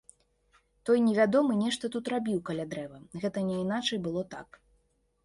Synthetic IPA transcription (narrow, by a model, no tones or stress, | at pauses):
t̪ɔjnʲɛvʲad̪ɔmɨnʲɛʂt̪ɐt̪ut̪ɾabʲiwkalʲad̪ɾɛvɐɣɛt̪ɐnʲɛinat͡ʂɐjbɨlˠɔt̪a̰k